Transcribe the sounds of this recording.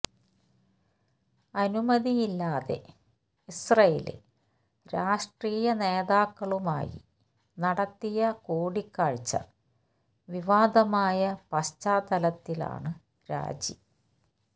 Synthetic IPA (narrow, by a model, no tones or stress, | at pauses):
ɐnumɐðijilːaːðe̞̰ | isrɐjḛlḭl | ɾaːʂʈriːjɐne̞ːðaːkːɐɭuma̰ːjḭ | nɐɽɐt̪ːijɐkoːɽikːaːɻt͡ɕːɐ̰ | ʋiʋaːd̪ɐmaːjɐpɐst͡ɕaːd̪ɐlɐt̪ːila̰ːɳɨ | ɾa̰ːd͡ʑḭ